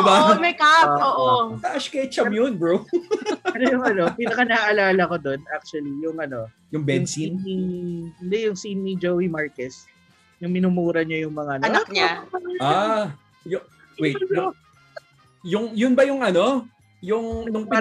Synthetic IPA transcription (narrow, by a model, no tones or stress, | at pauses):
ɪbamɐjkaoʔot̪ɐʔaʃkɐt͡ʃɐmjʊnbɹo | ɐnojʊŋʔɐno̞pinɐkɐnɐaʔɐlaːlɐko̞d̪o̞nʔak̚t͡ʃuɐlijʊŋʔɐno̞ | jʊŋbɛnŋsiiʊnd̪ɛjʊŋsinnid͡ʒowimaɹkɛs | jʊŋmɪnumuːɾɐɲɐjʊŋmɐŋaʔɐnɐnɐkaa | jʊ | wɛjj | jʊŋjʊnbɐjʊŋɐno̞ | jʊŋnʊŋpɪ